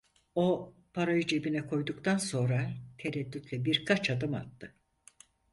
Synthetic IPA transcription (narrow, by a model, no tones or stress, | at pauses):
o̞ | pʰaɾajud͡ʒe̞binɛkʰo̞jd̪ukt̪ʰanso̞nɾat̪ʰeɾɛd̪ːyt̪lʲɛbiɾkʰat͡ʃʰad̪ɯma̰t̪ːɯ